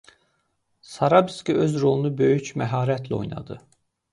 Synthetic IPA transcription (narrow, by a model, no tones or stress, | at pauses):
sɑɾɑbiskiøzɾo̞lˠunubø̞jycmæɦɑːɾæt̪ʰlæo̞̰jnɑ̰d̪ɯ